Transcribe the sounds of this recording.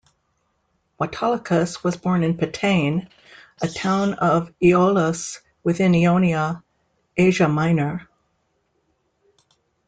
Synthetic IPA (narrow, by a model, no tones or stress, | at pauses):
wɑtʰɑlˠəkʰɨswʌzbɔɹnɨ̃npʰɨtʰẽɪ̃n | ʔɨtʰãʊ̃nʌviolˠəs | wɨθɪ̃niõʊ̃niə | eɪʒɨmãɪ̃nə˞